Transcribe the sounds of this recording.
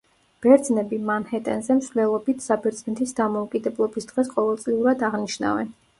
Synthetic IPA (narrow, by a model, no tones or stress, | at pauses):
b̥ɛɾd̪znɛbimanhɛt̪ʼɛnzɛmsvlɛlˠɔbit̪ʰsabɛɾd̪znɛt̪ʰisd̪amɔukʼid̪ɛblˠɔbisd̪̥ʁɛsqʼɔvɛlˠt̪sʼliuɾad̪aʁniʃna̰vɛ̰n